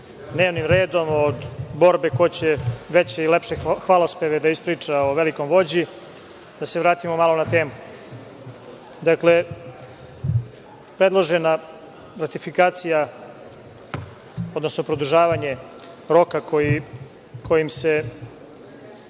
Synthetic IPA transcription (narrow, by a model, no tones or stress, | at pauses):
d̪neːʋnimɾeːd̪o̞mod̪bo̞ɾbeko̞t͡ɕeʋet͡ɕeilepʃexʋalˠospeʋed̪aispɾiːt͡ʂaoʋelikomʋo̞d͡ʑi | d̪ase̞ʋɾaːt̪imomalˠonat̪e̞ːmu | d̪akle̞ | pɾe̞d̪lˠoʒena | ɾat̪ifikaːt̪sija | od̪no̞snopɾod̪uʒaːʋaɲe | ɾo̞kakoji | kʰo̞jimse